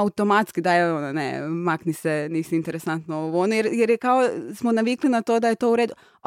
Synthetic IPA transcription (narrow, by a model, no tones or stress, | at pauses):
aut̪o̞mat̪skid̪ajeononḛmaknisenisiint̪eɾesant̪nooʋonujeɾjeɾjekaosmonaʋiklinat̪o̞d̪ajet̪o̞uɾed̪u